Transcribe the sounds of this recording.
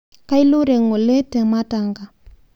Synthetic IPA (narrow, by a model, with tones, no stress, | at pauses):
ka˦i˦lo˦ɾɛ˨ŋɔ˨lɛ˦tɛ˨ma˦ta˨ŋɡa˨